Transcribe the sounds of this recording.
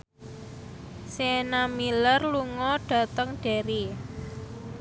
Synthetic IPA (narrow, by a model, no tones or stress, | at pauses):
senamilərluŋɔɖ̥ä̤t̪əŋɖ̥e̤ɾi